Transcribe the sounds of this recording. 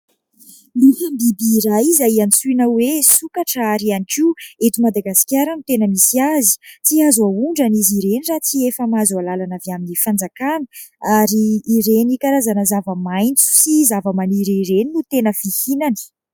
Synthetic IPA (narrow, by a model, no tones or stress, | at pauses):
lufambibiːɾajizaianisuinawesukaʈ͡ʂəaɾianikieʈ͡ʂimad̪aɡasi̥kʲjaɾənut̪enəmisiazi̥t͡siazauɳɖ͡ʐaniziɾenirat͡siefəmazualalanaveaminifand͡zakanə̥ | aɾiːɾenikaɾazanəzavəmajnt͡su̥sizavəmaniɾiɾeninut̪enəfihinani̥